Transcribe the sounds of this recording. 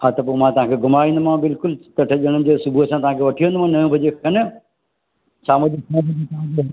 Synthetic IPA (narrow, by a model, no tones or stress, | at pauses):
ɦaːt̪ɐpomãːt̪ɐʋ̤ãːkʰeɡʱʊmaːɾĩːnd̪mãbɪlkʊlt̪ɐʈʰɐʄəɽ̃nɪ̆d͡ʑeːsʊbʱuɐsãt̪ɐʋãːkʰeʋɐʈʰiʋə̃nd̪mãnɐjõbʱɐd͡ʑekɐnə | sʰaːmɐdikɐ̃bɐĩt̪ɐãd͡ʑo